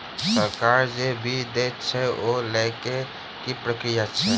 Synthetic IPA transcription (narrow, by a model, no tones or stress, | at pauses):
səɾkaːɾd͡ʒebʱid̪ett͡ʃʰɛoleke | kipɾəkɾijat͡ʃʰɛ